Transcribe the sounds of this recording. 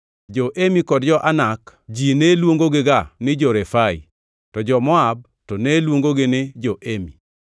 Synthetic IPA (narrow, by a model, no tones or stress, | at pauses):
d͡ʒɔʔemikɔdd͡ʒɔʔanakd͡ʒinelwoŋɡoɡɪɡanɪd͡ʒɔɾɛfaḭ | tɔd͡ʒɔmɔab̚ | tɔnelwoŋɡoɡɪnɪd͡ʒoʔemi